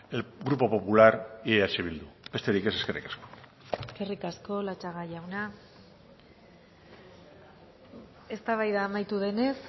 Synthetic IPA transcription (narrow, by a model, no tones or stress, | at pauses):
eɡɾupo̞po̞pulaɾieat͡ʃeβ̞ild̪ube̞st̪e̞ɾikeseske̞rḭkasko̥ | eske̞rikasko̞lat͡ʃaɣajawna | e̞st̪aβajðaːmajt̪uðe̞ne̞s